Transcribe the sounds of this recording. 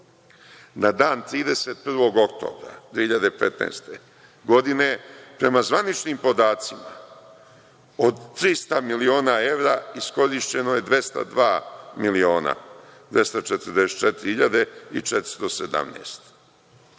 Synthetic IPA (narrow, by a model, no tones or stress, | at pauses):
nad̪aːnt̪ɾiːd̪e̞set̪̚pr̩ʋo̞ɡo̞kt̪o̞̰ːbɾa̰d̪̥viːhiʎad̪epḛt̪nḛːst̪e | ɡo̞d̪ine̞pɾe̞mazʋanit͡ʃniːmpo̞d̪aːt̪sima̰ | od̪t̪ːɾist̪amilio̞ːnae̞ʋɾaːisko̞ɾiʃt͡ɕe̞no̞je̞d̪ʋe̞st̪a̰d̪ʋaːmilio̞ːna̰d̪ʋʲje̞st̪ot͡ʃet̪əɾd̪eset̪t͡ʃet̪iɾihiʎad̪e̞ḭt͡ʃet̪ɾ̥i̥st̪o̞sed̪a̰mnḛːst̪